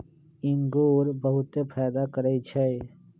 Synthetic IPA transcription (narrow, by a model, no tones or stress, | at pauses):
ɪ̃ŋɡuːɾbəɦʊt̪epʰɛːd̪akəɾəit͡ʃʰɛ